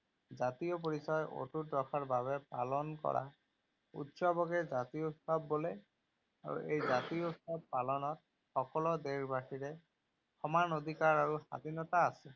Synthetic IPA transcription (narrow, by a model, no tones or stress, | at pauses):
zat̪ijɔp̬oɹisɔjo̰tutɹɔkʰaɹbaβɛpa̰lɔnkɔ̰ɹa̰ | ṵtsɔbɔkɛzat̪ijɔutsɔbːolɛ | a̰ɹṵʔejzat̪iɔutɔb̚palɔnɔt̚ | xɔkɔlɔd̪eɹbaʈʰiɹɛ | xɔmanod̪ʱikaɹaɹuxa̰d̪ʱinɔt̪aːsɛ